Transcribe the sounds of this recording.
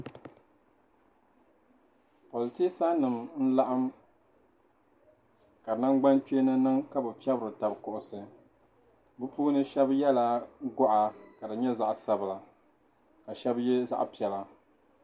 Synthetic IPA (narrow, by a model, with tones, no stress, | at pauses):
po˨lɨ˨ti˦sa˦nɨ˨mn̩˦la˦ʔa˦m | ka˨na˦ŋɡ͡ba˦nti˦nɨ˦nɨ˦ŋka˦bɨ˨fi˦ɛ˦bɾɨ˨ta˨bkʊ˨ʔʊ˨sɨ˨ | bɨ˦puː˦nɨ˦ʃɛ˦bjɛ˦la˦ɡɔ˦ʔa˨ka˨dɨ˨ɲɛ˦za˦ʔsa˦bɨ˨la˨ | ka˨ʃɛ˦bjɛ˦za̰˦ʔpi˨ɛ˨la˦